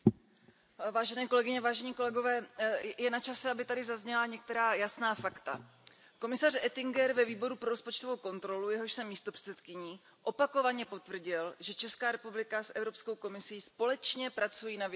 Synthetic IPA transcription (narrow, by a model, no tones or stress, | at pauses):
vaːʒɛnɛːko̞lɛɡɪɲɛvaːʒɛɲiːko̞lɛɡo̞vɛːjɛnat͡ʃasɛabɪt̪adɪzazɲɛlaɲɛk̚t̪ɛɾaːjasnaːfakt̪a̰ | ko̞mɪsarʔɛt̪ɪŋɡɛɾvɛviːbo̞ɾupɾoɾo̞spot͡ʃt̪ovo̞wko̞nt̪ɾo̞lujɛɦo̞ʃsɛmːiːst̪opr̥ɛ̥t͡sɛt̪kɪɲiː | ʔo̞pako̞vaɲɛpo̞t̪vr̩ɟɪlʒɛt͡ʃɛskaːɾɛpublɪkasʔɛvɾo̞psko̞wko̞mɪsiːspo̞lɛt͡ʃɲɛpɾat͡sujiːnav